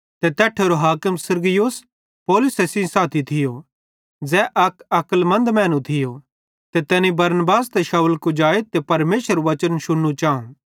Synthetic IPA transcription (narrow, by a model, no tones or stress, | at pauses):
t̪et̪ɛːʈʰeɾoɦaːkɪmsɐɾɡɪjos | poːlʊsesɪ̃saːt̪ʰit̪ʰɪjo | d͡zɛːʔɐkɐkəlmɐ̃nd̪mɛ̃ːnũt̪ʰɪjo | t̪et̪ɛːnibɐɾnbaːst̪eʃɐwlkud͡ʒaːet̪epɐɾmeːʃəɾʋɐt͡ʃənʃʊɽːut͡ʃaːṵ̃ː